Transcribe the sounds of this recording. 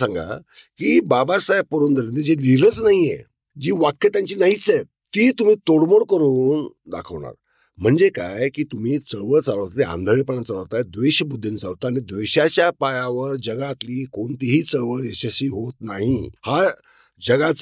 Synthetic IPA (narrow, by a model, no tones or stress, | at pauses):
ãŋɡa̰ | kiːbabasajpoɾund̪ʱəɾined͡ʑelilət͡snaɦijḛ | d͡ʑiːʋakʰːet̪jaɲt͡ɕiːnaɦit͡se | t̪iːt̪um̤iːt̪oɽmoɽkəɾuːnd̪a̰kʰəʋɳa̰ɾ | m̤əɳd͡zeka̰jkiːt̪um̤iːt͡səɭʋəɭt͡saləʋt̪at̪eã̰nd̪ʱəɭepəɳat͡saləʋt̪ajd̪ʋeɕəbud̪ʱːint͡sa̰ʋt̪aːñid̪ʋeɕat͡ɕjapajaʋəɾd͡ʑəɡat̪liːkoɳt̪iɦiːt͡səɭʋəɭeɕəɕiːɦot̪naɦiha | d͡ʑəɡat͡s